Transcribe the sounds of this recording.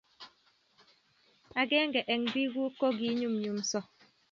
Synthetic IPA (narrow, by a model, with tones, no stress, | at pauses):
a˨ɡɛ˦ŋ̩˦ɡɛ˨ʔɛ˨ŋbi˦ɡu˦ko˦ɡi˦ɲu˦m˨ɲu˨m̩˨˦sɔ˦